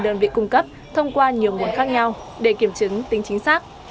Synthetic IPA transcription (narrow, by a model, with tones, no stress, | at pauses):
ɗəː˨˧˩nvḭ˧˨kʊ˧ŋ͡mkə˦˥p̚ | t̪ʰə˧wŋ͡mkwaː˧ɲi˨˩əwŋu˨˩ənxaː˦˥k̚ɲa˧w | ɗe˧˩ki˧˩əmt͡ɕɨ˨˦ŋt̪ï˨˦ŋ̟t͡ɕï˨˦ŋ̟saː˦˥k̚